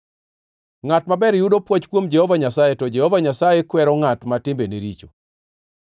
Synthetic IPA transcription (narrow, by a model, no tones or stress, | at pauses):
ŋatmabɛɾjudopwɔt͡ʃkwomd͡ʒɛhɔvaɲasajetɔd͡ʒɛhɔvaɲasajekwɛɾɔŋatmatɪmbeneɾit͡ʃo